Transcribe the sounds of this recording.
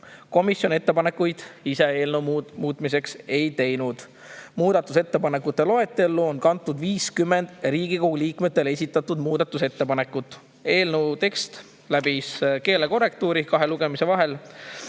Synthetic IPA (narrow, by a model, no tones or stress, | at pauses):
ko̞misjo̞ne̞t̪ːe̞pɑne̞kːujd̪̥ise̞eːlnəmmuːt̪ˑmise̞kse̞jt̪e̞jnud̪̥ | muːd̪ɑt̪ːˑuse̞t̪ːe̞pɑne̞kːˑut̪ːˑe̞lo̞e̞t̪ːˑe̞lːuonkɑnt̪ːˑud̪viːskymːe̞nd̪̥riːɡ̥ikoɡuliːkmet̪ːˑe̞le̞s̬ʲit̪ːˑɑt̪ːˑud̪muːd̪̥ɑt̪ːˑuse̞t̪ːe̞pɑne̞kːˑut̪ːˑ | e̞ːlnəwt̪e̞kst̪ | læbiske̞ːleko̞re̞k̚t̪uːɾikɑɦe̞luɡ̥e̞mise̞vɑɦe̞l